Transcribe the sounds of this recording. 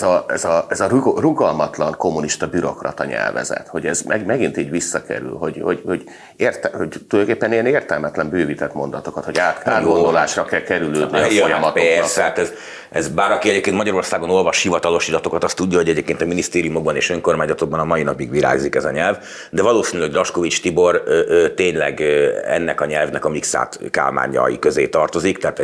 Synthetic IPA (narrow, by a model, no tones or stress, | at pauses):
zɒɛzɒɛzɒruɡɒlmɒt̪lɒŋkomːuniʃt̪ɒbyɾo̞̰krɒ̰t̪ɒɲɛ̰lvɛ̰zɛ̰t̪ho̞ɟɛzmɛɡmɛɡint̪iːɟvisːɒkɛ̰ɾy̰lɦo̞ɟho̞ɟhoɟ | eːrt̪ɛhoɟt̪ulkeːpːɛnijɛneːrt̪ɛlmɛt̪lɛmbøːvit̪ɛt̪mo̞nd̪ɒt̪o̞kɒt̪hoɟaːt̪aːɡɡond̪olaːʃrɒkɛlkɛɾyløːd̪nifojɒmɒt̪pɛst̪ɛat̪ɛz | ɛzbaːɾɒkiɛɟeːpkeːnt̪mɒɟɒɾo̞rsaːɡo̞no̞lvɒʃhivɒt̪ɒlo̞ʃilɒt̪o̞kɒt̪ɒst̪uɟːɒɦo̞ɟɛɟeːp̚keːnt̪ɒminist̪eːɾijumo̞ɡ̚bɒneːʃø̞ŋko̞rmaːɲzɒt̪o̞ɡ̚bɒnɒmɒinɒpiɡʋiɾa̰ːɡzikɛzɒɲɛlv | d̪ɛvɒloːsiːnylɛɡrɒʃkovit͡ʃt̪ibo̞rt̪eːɲlɛ̰ɡɛ̰nːɛkɒɲɛlvnɛkɒmiksa̰ːt̪ka̰ːlma̰ːɲɒ̰jḭkøzeːt̪ɒrt̪o̞zikt̪ɛaːt̪ɛ